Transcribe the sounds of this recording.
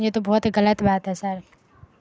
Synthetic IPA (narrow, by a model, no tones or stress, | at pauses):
d͡ʒet̪obɔːt̪ɡələt̪baːt̪ɦɛsəɾ